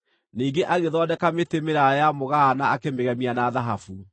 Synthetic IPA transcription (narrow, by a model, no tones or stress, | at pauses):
niːɡeʔaɣeðɔːdɛkametemeɾajamoɣaːnaːkemeɣɛmianaðaɦafu